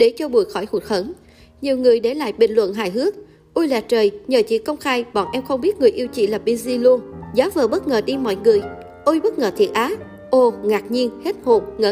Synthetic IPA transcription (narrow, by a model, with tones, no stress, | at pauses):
ɗe˧˩t͡ɕɔ˧ɓu˧˩əjxɔ˧˩jku˨˩t̚hə˧˦n | ɲi˨˩əwŋɨ˨˩əjɗe˧˩la̰ː˧˨jɓï˧˨ŋlwə̰˧˨nɦa̰ː˧˨jɦɨ˦˥ək̚ | ʔu˧jlaː˨˩t̚t͡ɕəː˨˩jɲəː˨˩t͡ɕḭ˧˨˥kə˧wŋ͡mxaː˧jɓɔ̰˧˨nʔɛ˧mxə˧wŋ͡mɓi˦˥t̚ŋɨ˨˩əjʔi˧əwt͡ɕḭ˧˨laː˨˩p̚ɓi˧zi˧lu˧əŋzaː˨˦vəː˨˩ɓə˦˥t̚ŋəː˨˩ɗi˧mɔ̰˧˨jŋɨ˨˩əj | ʔu˧jɓə˦˥t̚ŋəː˨˩t̪ʰḭ˨˩ət̚ʔaː˨˦ | ʔo˧ŋaː˨˩k̚ɲi˧ənhe˦˥t̚ho˨˩p̚ŋəː˧˨